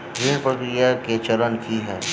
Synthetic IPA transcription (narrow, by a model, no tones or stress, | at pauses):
ɾiɽpɾəkɾijaket͡ʃəɾənkiɦɛː